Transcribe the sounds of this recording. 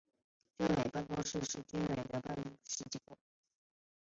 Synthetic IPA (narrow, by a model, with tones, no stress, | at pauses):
tə˥nwe˨˩ɪpa˥˧nkwɔ˥ʂɻ̩˥˧ʂɻ̩˥˩t̪y˥nwe˨˩ɪd̪ə˧˦pa˥˧n˥ʂɻ̩˥˧˩t͡ɕi˥˩kɔ̰˨˩˦